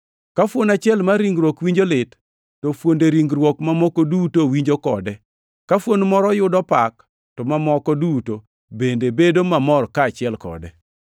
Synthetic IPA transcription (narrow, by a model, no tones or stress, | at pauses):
kafwonat͡ʃɪɛlmaɾiŋɡɾwokwiɲd͡ʒolɪtː | ofwondeɾiŋɡɾwokmamɔkodutowiɲd͡ʒokɔdɛ | kafwonmɔɾɔjʊdɔpak̚ | tɔmamɔkɔduto | bendebedomamɔrkaːt͡ʃɪɛlkɔ̰dɛ